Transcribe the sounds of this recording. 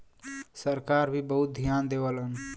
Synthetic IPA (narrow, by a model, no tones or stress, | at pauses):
səɾkaɾbʱibəɦut̪̚d̪ʱijand̪ewələn